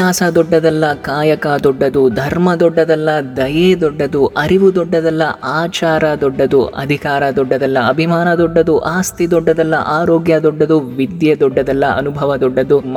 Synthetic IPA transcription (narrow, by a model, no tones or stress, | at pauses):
aːsɐd̪ɔɖːɐd̪ɐlːɐkaːjɐkɐd̪ɔɖːɐd̪ud̪ʱɐɾmɐd̪ɔɖːɐd̪ɐlːɐd̪ɐjeːd̪ɔɖːɐd̪uʔɐɾiʋud̪ɔɖːɐd̪ɐlːɐʔaːt͡ʃaːɾɐd̪ɔɖːɐd̪uʔɐ̰d̪ʱikaːɾɐd̪ɔɖːɐd̪ɐlːɐɐbʱimaːnɐd̪ɔɖːɐd̪uʔaːst̪id̪ɔɖːɐd̪ɐlːɐ̰ʔaːɾoːɡjɐd̪ɔɖːɐd̪uʋid̪jɐd̪ɔɖːɐd̪ɐlːɐʔɐ̰nubʱɐʋɐd̪ɔɖːɐd̪um